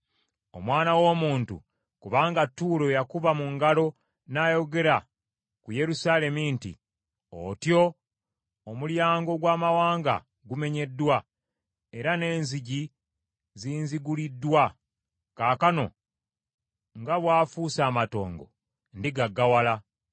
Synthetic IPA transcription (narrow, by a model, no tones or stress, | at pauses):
o̞mwaːnawo̞muːntṵ | kuβaːŋɡatːuːlo̞jakuβamuŋɡalo̞ | naːjo̞ɡe̞ɾa | kuje̞ɾusale̞mintḭ | o̰tjo̞ː | muljaːŋɡo̞ɡwaːmawaːŋɡa̰ | ɡume̞ɲe̞dːwa | e̞ɾane̞ːnziɟi | ziːnziɡulidːwa | kaːkano̞̰ | ŋɡaβwaːfuːsaːmato̞̰ːŋɡo̞̰ | ndiɡaɡːawala